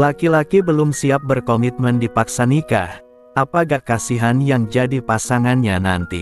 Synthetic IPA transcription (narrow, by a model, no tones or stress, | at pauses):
lakilakibəlʊmsiap̚bərkomit̪̚məndipaksanika̰h | ʔapaɡakasiɦanjaŋd͡ʒadipasaŋanɲana̰nt̪ḭ